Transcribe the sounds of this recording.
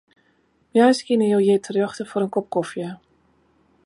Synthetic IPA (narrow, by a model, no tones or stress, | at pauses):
mjaskɪnəjowjɪtʰərjɑxtəfoɾənkɔp̚kɔfjə